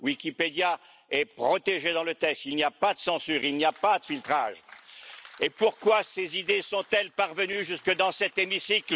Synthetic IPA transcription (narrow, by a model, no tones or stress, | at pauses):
wikʲiped̪ja | ɛpχɔt̪eʒed̪ɑ̃lət̪ɛkst̪ilniapad̪əsɑ̃syːʁilniapad̪əfilt̪χa̰ʒ | epuʁkwasezid̪esɔ̃t̪ɛlpaʁvənyʒyskəd̪ɑ̃sɛt̪emisikl